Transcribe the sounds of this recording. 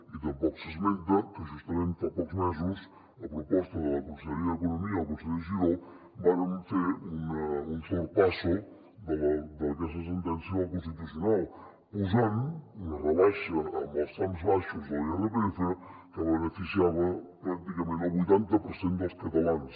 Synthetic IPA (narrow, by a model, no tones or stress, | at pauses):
it̪ampɔksesmẽnt̪akeʃust̪amẽnt̪apokzmes̬os | apɾopost̪aðelakonseeɾiaðekonomiakons̬eðes̬iðo | bannfeɾunaunseɾpaso | d̪eld̪elkes̬as̬ent̪ensjoŋk̬ons̬ed̪iseno | pus̬anunareβaʃaːmast̪ɾamzβaʃozoarepɾeθakaβenefisjaβapɾak̚t̪ikamẽnt̪aβujt̪ant̪apoɾsent̪oskat̪alans